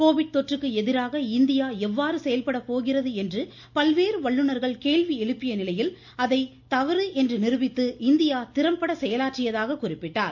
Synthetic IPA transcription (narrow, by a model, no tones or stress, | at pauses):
koːʋɪɽ̚t̪ɔʈrɯkːɯɛðɪɾaːɣɐɪnd̪ɪjaːɛʋːaːɾɯsɛjɐlpɐɽɐpoːɣɪrɐðɯɛndrɯ | pɐlʋeːɾɯʋɐɭːɯnɐɾɣɐɭkeːɭʋiɛɻɯpːɪjɐnɪlɐjɪl | ɐðɐɪt̪ɐʋɐɾɯʔɛndrɯnɪrɯʋɪt̪ːɯɪnd̪ɪjaːt̪ɪɾɐmpɐɽɐsɛjɐlaːʈrɪjɐðaːɣɐkʊrɪpːɪʈːaːɾ